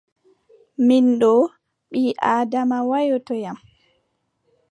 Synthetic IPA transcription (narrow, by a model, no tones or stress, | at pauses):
minɗɔ | ɓiːʔaːdamawajɔtɔjam